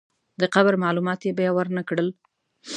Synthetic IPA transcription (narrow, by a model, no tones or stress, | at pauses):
d̪əqabɾmɑlumɑt̪jebajɑwəɾnakɽəl